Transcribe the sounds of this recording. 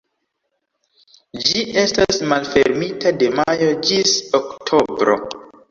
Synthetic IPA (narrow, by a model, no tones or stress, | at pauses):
d͡ʒiʔe̞stasmalfe̞ɾmitade̞majo̞d͡ʒisoktʰo̞bɾo̞̰